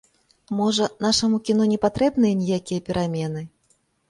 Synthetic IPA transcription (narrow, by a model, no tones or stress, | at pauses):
mɔʐɐnaʂɐmukʲin̪ɔnʲɛpat̪ɾɛbnɨjɐnʲijakʲijɐpʲɛɾamʲɛn̪ɨ